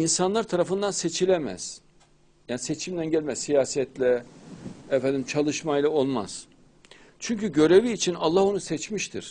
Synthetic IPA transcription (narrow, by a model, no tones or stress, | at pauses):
insanlˠaɾt̪ʰaɾafɯnd̪anset͡ʃʰilʲemæ̰z̥ | jaːniset͡ʃʰimd̪ænɟɛlʲmɛzsijaːsɛt̪lʲɛ | ɛfɛænd̪imt͡ʃʰalˠɯʃmajlˠao̞lˠma̰z̥ | t͡ʃʰyɲcyɟø̞ɾe̞viːt͡ʃʰinalˠːaho̞nusɛt͡ʃmiʃt̪ʰiɾ̥